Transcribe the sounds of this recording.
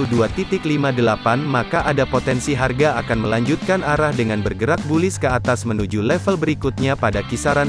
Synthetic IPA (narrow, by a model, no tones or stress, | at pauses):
uduat̪it̪ɪklimadəlapanmakaʔadapot̪ɛnsiɦarɡaakanməlaɲd͡ʒut̪̚kanaɾahdəŋanbərɡəɾak̚bulɪskəat̪asmənud͡ʒulɛfəlbəɾikut̪̚ɲapadakisaɾan